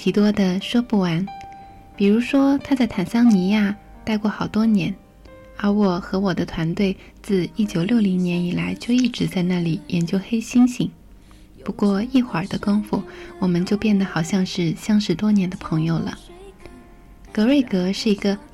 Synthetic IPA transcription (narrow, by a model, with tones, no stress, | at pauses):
t̪ʰi˧˥t̪wɔ˥d̪ə˨ʂwɔ˥pu˥˩wa˧˥n | pi˨˩ɻu˧˥ʂwɔ˥t̪ʰa˥t͡sa˥˩ɪt̪ʰa˨˩nsɑ˥ŋni˧˥ja˥˩ | t̪a˥˧ɪkwɔ˥˩xɑ˨˩ʊt̪wɔ˥njɛ˧˥n | ə˧˥wɔ˥˩xɤ˧˥wɔ˨˩d̪ə˦t̪ʰwa˧˥nt̪we˥˩ɪ | t͡sɹ̩˥˧i˥˩t͡ɕjo˨ʊljo˥˩ʊli˧˥ŋnjɛ˧˥ni˨˩la˧˥ɪt͡ɕjo˥˧ʊi˥˩ʈ͡ʂɻ̩˧˥t͡sa˥˧ɪna˥˩li˨˩jɛ˧˥nt͡ɕjo˥ʊxe˥ɪɕi˥ŋɕi˧˥ŋ | pu˧˥kwɔ˥˧i˥˩xwa˞˨˩d̪ə˦ko˥ŋfu˥˩wɔ˨˩mə˦nt͡ɕjo˥˧ʊpjɛ˥˩nd̪ə˩xɑ˨˩ʊɕjɑ˥˧ŋʂɻ̩˥˩ɕjɑ˥ŋʂɻ̩˧˥t̪wɔ˥njɛ˧˥nd̪ə˧pʰɤ˧˥ŋjo˧ʊlə̰˩ | kɤ˧˥we˥˩ɪkɤ˧˥ʂɻ̩˥˩i˧˥ɡə˧